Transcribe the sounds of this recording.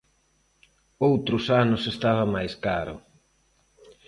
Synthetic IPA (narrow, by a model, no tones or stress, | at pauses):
owt̪ɾʊsanʊsest̪aβɐmajskaɾʊ̰